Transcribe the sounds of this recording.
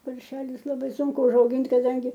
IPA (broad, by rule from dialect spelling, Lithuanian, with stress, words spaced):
pɐrʲˈʃʲæːlʲʊs lˠɐˈbɐɪ ˈsʊŋkʊ ʊʒɐʊˈɡʲɪnʲtʲ kɐˈdɐŋʲɡʲɪ